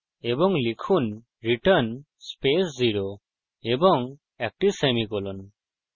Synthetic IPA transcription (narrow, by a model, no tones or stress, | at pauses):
ebɔŋlikʰun | ɾiʈən | spesziɾo | ebɔŋ | ɛk̚ʈisemikɔlun